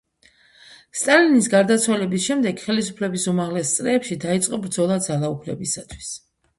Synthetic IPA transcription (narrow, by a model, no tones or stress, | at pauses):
st̪ʼalinisɡaɾd̪at̪sʰwalɛbisʃɛmd̪ɛɡχɛlisupʰlɛbisumaʁlɛst̪sʼɾɛːpʃid̪ait̪sʼqʼɔbɾd̪zɔlˠad̪zalˠaupʰlɛ̰bisat̪ʰwi̥s